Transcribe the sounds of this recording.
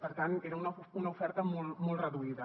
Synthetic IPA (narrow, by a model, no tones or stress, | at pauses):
pəɾt̪aneɾəunəunəufɛɾt̪əmɔlˠmɔlˠrəðuiðə